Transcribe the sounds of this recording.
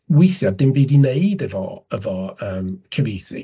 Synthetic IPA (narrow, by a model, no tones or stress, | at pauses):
wɪθjadɪnbiːdinejdɛvɔ̰əvɔəːmkʰəviːsḭ